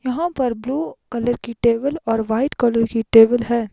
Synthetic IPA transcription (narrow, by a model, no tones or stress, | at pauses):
jɐɦãpɐɾbluːkɐləɾkiʈeːbəlɔːɾʋaːɪʈkɐləɾkiʈeːbəlɦɛː